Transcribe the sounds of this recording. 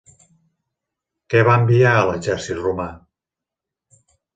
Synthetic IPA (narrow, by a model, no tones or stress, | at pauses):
kɛβaəmbiaələʒɛɾsit̪ruma